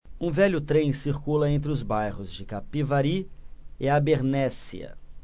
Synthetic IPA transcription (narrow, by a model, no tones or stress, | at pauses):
ũvɛʎʊt̪ɾẽj̃siɾkulɐẽnt̪ɾɪʊzbajʁʊzd͡ʒɪkapivaɾiɪabeɾnɛsḭɐ̰